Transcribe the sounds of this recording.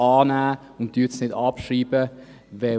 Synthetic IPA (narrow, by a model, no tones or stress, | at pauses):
ɑːnæː | ʊnt̚d̥yːtsnɪdɑpʃɾiːbə | vɛ